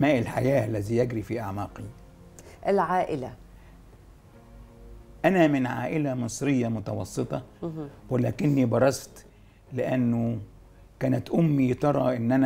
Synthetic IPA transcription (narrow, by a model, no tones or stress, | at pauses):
mæːʔɪlħajæːʔælːæziːjæɡɾiːfiːʔaʕmæːqi | ʔɪlʕaːʔɪlæ | ʔænæmɪnʕa̰ːʔɪlæmɨsˤɾɪjːamʊt̪ɑwɑ̰sˤːɨt̪ˤɑwɪlæːkɪnːibɑɾˤɑst̪ | lɪʔænːʊ | kæːnæt̪ʔʊmːit̪ɑɾˤɑ̰ʔɪnːʔænæ